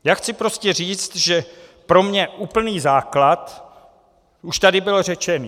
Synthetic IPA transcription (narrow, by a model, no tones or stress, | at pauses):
jaːxt͡sɪpɾo̞scɛriːt͡st̪ʒɛpɾo̞mɲɛʔuːpl̩niːzaːklat̪ | uʃt̪adɪbɪlr̝ɛt͡ʃɛnː